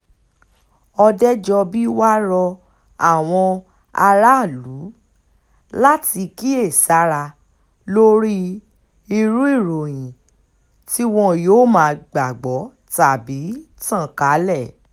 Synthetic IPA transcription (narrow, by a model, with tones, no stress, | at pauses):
ɔ˧dɛ˦d͡ʒɔ˧bi˦wa˦ɾɔ˧ | a˦˨w̃ɔ̃˧ | a˧ɾa˦˨lu˨˦ | la˦ti˧ki˦e˦˨sa˨˦ɾa˧ | lo˦ɾi˦ | i˧ɾu˦i˦˨ɾo˨j̃ĩ˨ | ti˦w̃ɔ̃˧joː˦˨mãː˨˧ɡ͡ba˨ɡ͡bɔ˨˦ | ta˨bi˨˦ | tã˦˨ka˨˦lɛ˦˨